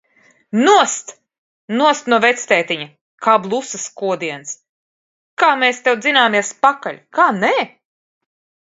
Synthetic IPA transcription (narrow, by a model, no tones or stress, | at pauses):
nuɔst̪ | nuɔst̪nuɔvɛt̪st̪ɛːt̪iɲɐ | kaːblˠusɐskuɔd̪iɛns | kaːmeːst̪ɛwd̪zinaːmiɛspakaʎʲkaːnɛː